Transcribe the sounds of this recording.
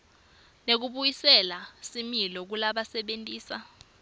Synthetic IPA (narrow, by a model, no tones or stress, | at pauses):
nek̬uɓujisɛlasimilɔk̬ulaɓasɛɓentʼiːsa